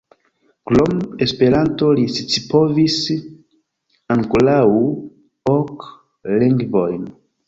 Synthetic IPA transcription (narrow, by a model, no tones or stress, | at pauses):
klomespe̞ɾantolisit͡sipovis | aŋkolau | ok | liŋɡvojn